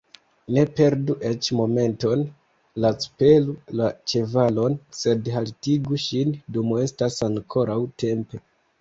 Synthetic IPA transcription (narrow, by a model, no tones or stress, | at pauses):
ne̞pe̞ɾduʔe̞t͡ʃmo̞me̞nto̞n | lat͡su̥pe̞lulat͡ʃe̞valo̞nse̞dhaltiɡuʃindumue̞stasaŋkʰo̞ɾawte̞mpe̞